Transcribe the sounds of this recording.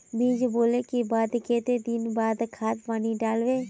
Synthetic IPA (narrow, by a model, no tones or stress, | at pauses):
biːd͡ʒboːlekibaːd̪keːt̪ed̪ɪnbaːd̪kʰaːt̪paːniɖaːlʋeː